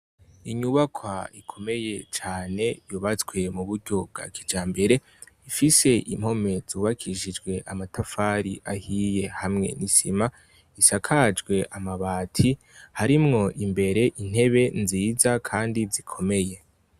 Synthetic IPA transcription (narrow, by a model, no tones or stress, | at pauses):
iɲuβakʰwaikʰo̞me̞je̞t͡ʃaːne̞juːβat͡sɡwe̞muβuɾɟo̞b̚ɡa̰kʰid͡ʒaːmbe̞ɾe̞ | ifise̞ʔim̥ho̞me̞z̥uːβakʰiʒid͡ʒɡwe̞ʔamatafaɾḭʔahije̞hamŋe̞̰nisḭma | isakʰad͡ʒɡwe̞ʔamaβaːtʰi | haɾimŋo̞ʔimbe̞ɾe̞ʔin̥he̞βe̞nziːzakʰaːndizikʰo̞me̞je̞